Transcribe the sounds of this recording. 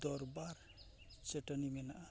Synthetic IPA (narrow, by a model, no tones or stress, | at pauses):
d̪ɔɾbaɾ | t͡ʃeʈənimenaa